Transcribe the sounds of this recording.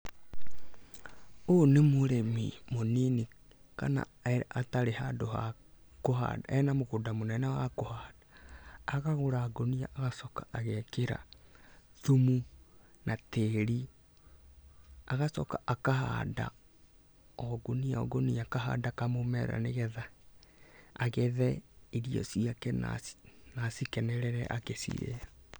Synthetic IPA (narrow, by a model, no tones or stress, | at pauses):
onemoɾemimonini | kana̰ | ɛʔataɾehadoha̰ | koɦa̰da̰ɛnamoɣodamonɛnɛwakohad̥ḁː | ɣaɣoɾaːɡoniaʔaɣasɔkḁʔaɣɛkeɾa̰ | θumu | nateɾi | aɣasɔkaʔakaha̰da̰ | ɔɡoniaɔ̰ɡoniakaɦa̰dakamomɛɾa̰neɣɛða | aɣɛðɛiɾiɔ̰siakɛna̰nasikɛnɛɾɛɾɛʔakesḭɾḛa